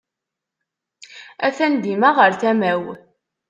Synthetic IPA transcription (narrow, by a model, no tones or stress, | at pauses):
æθænd̪imaʁəɾθæmæw